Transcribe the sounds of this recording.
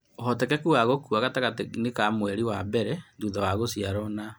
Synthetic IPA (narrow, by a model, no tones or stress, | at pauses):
ohɔtɛkɛkuaɣokuaɣataɣatenekamwɛɾiwabɛɾɛnduðawaɣosiaɾɔna